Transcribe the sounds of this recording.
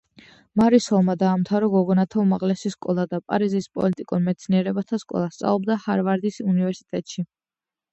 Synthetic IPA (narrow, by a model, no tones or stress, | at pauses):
maɾisɔlˠmad̪aːmt̪ʰaɾɔɡɔɡɔnat̪ʰaumaʁlɛsiskʼɔlˠad̪apʼa̰ɾizispʼɔ̰lit̪ʼikʼuɾmɛt̪sʰniɛɾɛbat̪ʰaskʼɔ̰lˠast̪sʼa̰lˠɔbd̪ahaɾvaɾd̪isunivɛɾsi̥t̪ʼɛt̪ʼʃi